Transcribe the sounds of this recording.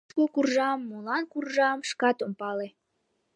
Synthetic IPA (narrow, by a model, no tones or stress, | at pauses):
kokurʒɑmːulˠɑnkurʒɑmʃkɑt̪ompɑle